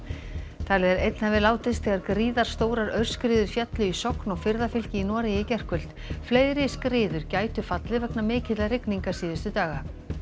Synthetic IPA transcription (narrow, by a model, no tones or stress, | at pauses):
t̪ʰaːlɛɣɛɾḛjt̪nhavɪðlaːwt̪ɪst̪θɛːɣaɾkɾiːðaɾ̥st̪oːwɾaɾœɥr̥skɾɪːðʏɾ̥fjɛt̪lʏisɔknɔɣfɪɾðafʏl̥cɪinɔːɾɪjɪcɛr̥kʏl̥t̪ | fleːjɾɪskɾɪːðʏɾcaːjt̪ʏfat̪lɪvɛknamɪːcɪt̪larɪkniŋkasiːðɪst̪ʏt̪aːɣa